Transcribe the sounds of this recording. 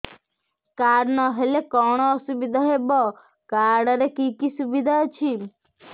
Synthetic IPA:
kaːɾnɔɦelekɔɽ̃ɔːsubid̪ʱaɦebɔ | kaːɽɐɾekikisubid̪ʱat͡ʃʰi

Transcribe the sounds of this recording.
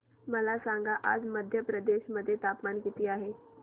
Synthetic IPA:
məlasãŋɡʱaʔa̰ːd͡ʒməd̪ʱjəpɾəd̪eːʃməd̪ʱːjet̪aːpmaːnkit̪iaːɦeː

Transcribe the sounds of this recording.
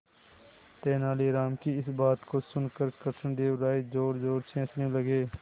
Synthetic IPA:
t̪ɛːnaːliːɾaːmkiɪsbaːt̪kosʊnkəɾkəɾsənd̪eːʋɾaːid͡ʒoːɾd͡ʒoːɾt͡ʃʰẽːt͡ʃneləɡeː

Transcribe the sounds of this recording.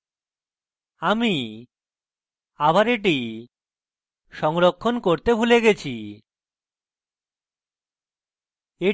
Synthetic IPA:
ami | abaɾeʈ̬i | ʃɔŋɾokʰːonkoɾt̪ebʱuleɡet͡ɕʰi | e

